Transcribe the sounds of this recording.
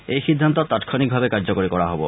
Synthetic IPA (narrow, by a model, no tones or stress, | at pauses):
ejʃid̪ʱːant̪̬ot̪at̪kʰonik̚bʱabekaɾd͡ʑokoɾikɔɾaɦɔbo̰